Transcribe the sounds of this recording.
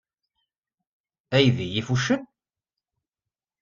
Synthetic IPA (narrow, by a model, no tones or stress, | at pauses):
æjðijifuʃən